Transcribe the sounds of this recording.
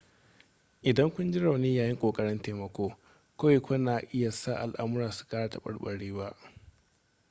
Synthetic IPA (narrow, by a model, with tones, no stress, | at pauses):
ʔɪ˨dɐ˦ŋkʷʊ˦nd͡ʒɪ˦ɽa˨wniː˦jaː˨jɪ˦ŋkʷʼoː˨kʼɐ˦ɽɪ˦nteː˨mɐ˨kʷoː˦ | kʷa˦we˦kʷʊ˦naː˨ʔɪ˦ja˨sa˦˨ʔa˨lʔa˦mʊ˦ɽaː˨su̥˨kaː˦ɽa˨tɐ˦ɓɐ̰˦ɽɓɐ˨ɽeː˦waː˦ʔ